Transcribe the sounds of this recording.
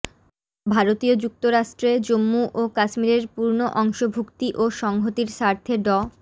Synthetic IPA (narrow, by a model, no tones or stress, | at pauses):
bʱaɾot̪iod͡ʑuk̚t̪oɾaʃʈɾed͡ʑomːuʔokaʃmiɾeɾpuɾnoʔɔŋʃobʱukt̪iʔoʃɔŋɦot̪iɾʃaɾt̪ʰeɖɔ